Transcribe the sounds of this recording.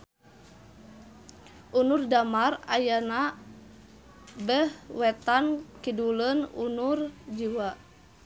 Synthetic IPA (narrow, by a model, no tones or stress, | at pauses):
ʔunurdamarajana | bəhwɛt̪ankidulənṵnurd͡ʒiwa